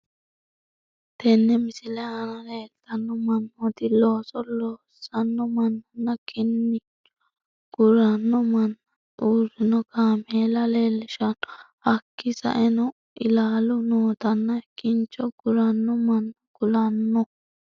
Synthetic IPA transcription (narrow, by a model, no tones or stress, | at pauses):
t̪ɛnːɛmɪsɪlɛɐnɐle̞ːlt̪ɐnːɔmɐnːɔt̪ɪloːsɔloː | sɐnːɔmɐnːɐnːɐkʰɪnːɪt͡ʃːɔ̥ | ɡ̥ʊɾɐnːɔmɐn | uːɾɪnɔkaːmeːlɐleːlːɪʃɐn | hɐkːɪsɐ̰ʔɛnɔ | ʔɪlaːlʊnoːt̪ɐnːɐkɪnt͡ʃɔɡ̥ʊɾɐnːɔmɐnː | ɡ̥ʊlɐnːɔ